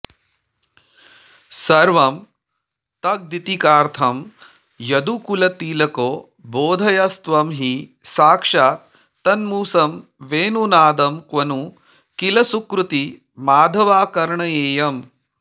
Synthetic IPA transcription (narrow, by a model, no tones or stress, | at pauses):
sɐɾʋɐm | t̪ɐk̚d̪it̪ikaːɾt̪ʰɐm | jɐd̪ukulɐt̪iːlɐkoː | boːd̪ʱɐjɐst̪ʋɐmɦi | saːkʂaː | t̪ɐnmuːsɐmʋeːnunaːd̪ɐmkʋɐnu | kilɐsukɾut̪i | maːd̪ʱɐʋaːkɐɾɳɐeːjɐm